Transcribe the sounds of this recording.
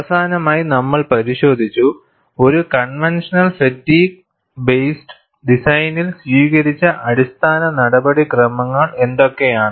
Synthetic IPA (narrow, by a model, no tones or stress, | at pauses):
ɐsaːnɐmaːjinɐmːɐɭpɐɾiɕo̞ːd̪ʱit͡ɕːu | o̞ɾukɐɳʋenʂɐnɐlsetːiːk̚ | bejsʈɨ̥ | ɖisɐjnilsʋiːkɐɾit͡ɕːɐʔɐɽist̪ʰaːnɐnɐɽɐbɐɽikrɐmɐŋːɐɭe̞nd̪o̞kːe̞jaːɳɨ